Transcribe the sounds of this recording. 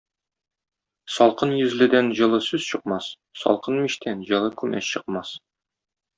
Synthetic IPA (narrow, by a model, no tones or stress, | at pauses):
sɒlˠqɤnjɵ̆zlɘ̆d̪ænʑɤ̆lˠɤsʉz̥ɕɤ̆qmɑs | sɒ̰lˠqɤnmiɕt̪ʰænʑɤ̆lˠɤkʉmʔæ̰sɕɤ̆qmɑs